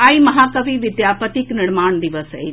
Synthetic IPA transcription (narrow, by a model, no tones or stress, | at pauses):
aimɐɦaːkɐbiʋɪd̪jaːpət̪iknɪɽmaːɳd̪iʋəsɦḛ